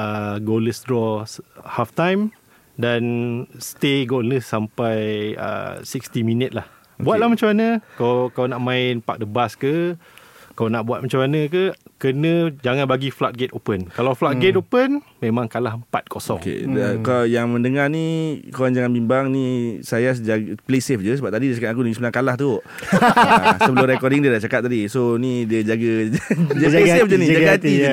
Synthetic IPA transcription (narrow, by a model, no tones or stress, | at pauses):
əɡoləsdɾɔhaft̪ajm | danst̪eɡoləsːampajə̰sikst̪iminət̪̚lah | buat̪̚lahmat͡ʃamanə̃kakaanaʔmãɪnpa̰k̚dəbaskə | kaanaʔbuat̪̚mat͡ʃamanə̃k̬əkənə̃d͡ʒaŋãnbaɡiflat̪̚ɡet̪opənkalawflat̪̚ɡet̪opənmẽmãŋkalaɦəmpa̰t̪̚kʰosɔ̰ŋkḛdakajaŋməndəŋarnikoaŋd͡ʒaŋanbimbaŋnisajasd͡ʒaplesefd͡ʒəsəbap̚t̪adidiət͡ʃakat̪ak̬udəisəmənaŋkalaht̪u | səbəlomɾɛkɔdiŋdiədaht͡ʃakat̪̚ːadisonidiəd͡ʒaɡəd͡ʒad͡ʒasefd͡ʒənid͡ʒaɡɡaat̪i